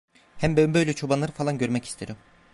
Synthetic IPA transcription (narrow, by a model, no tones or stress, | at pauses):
hæmbømbøjlʲɛt͡ʃʰo̞banlˠaɾɯfalˠanɟø̞ɾmɛcʰi̥st̪ʰeɾym